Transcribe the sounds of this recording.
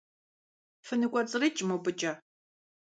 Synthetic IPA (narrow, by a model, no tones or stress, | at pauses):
fɨnɨɡʷʼɐt͡sʼɨrɐt͡ʃʼmowpʼɨt͡ʃʼɐ